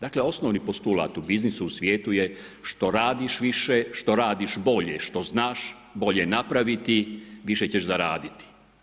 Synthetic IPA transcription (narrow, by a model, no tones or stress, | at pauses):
d̪aːkle̞o̞snoʋnipo̞st̪ula̰ːt̪ubiznisuusʋjeːt̪uje | ʃt̪o̞ɾaːd̪iʃʋiʃeʃt̪o̞ɾaːd̪iʃbo̞ʎeʃt̪o̞znaːʃ | bo̞ʎenapɾaʋit̪iʋiʃet͡ɕeʒzaɾaːd̪it̪i̥